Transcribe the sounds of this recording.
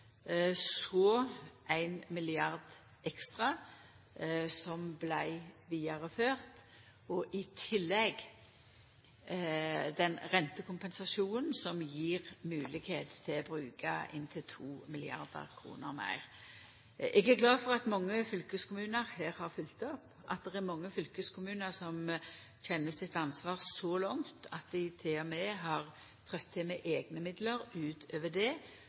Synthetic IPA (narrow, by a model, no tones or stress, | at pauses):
sɔʔæɪnmɪlɪɑʁd̪ | ʔɛkst̪ʁɑ | sɔmblæɪʋiːɑʁəføːʁt̪ | ɔʔɪt̪ʰɪlːɛɡ | d̪ɛnʁɛnt̪əkʰʊmpɛnsɑʃuːnən̩sɔmjiːʁmʉːlɪɡheːt̪t̪ʰːɪlɔbɾʉːkʰɑ̰ʔɪ̰nt̪ʰɪlt̪ʰuːmɪlɪɑ̰ʁd̪ə̰ɾkʰʁṵːnəɾmæ̰ɪʁ | ʔɛɡæɾɡlɑːfɔʁɑt̪mɑŋːəfʏlkəskʰʊmʉːnəɾheːɾhɑʁfʏlt̪ɔp | ʔɑ̰t̪̚d̪ɛʁæɾmɑŋːəfʏlkəskʰʊmʉːnəɾsɔm | çɛnːəsɪt̪ːɑnsʋɑːʁsɔlɔŋt̪ʰɑt̪̚d̪ɪt̪ʰeːɔmɛːɦɑʁ | t̪ʰʁœt̪ʰːɪmɛʔeːɡnəmɪd̪ləɾʉːt̪øːʋəd̪eː